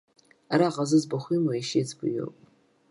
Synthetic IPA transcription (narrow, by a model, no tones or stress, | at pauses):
aɾaːʁazɨzbaχʷimaiʃet͡sʰbɨjo̰pʼ